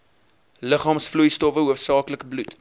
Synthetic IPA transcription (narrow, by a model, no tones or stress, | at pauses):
ləχɑːmsflujstɔfəɦuəfsɑːkləkəblut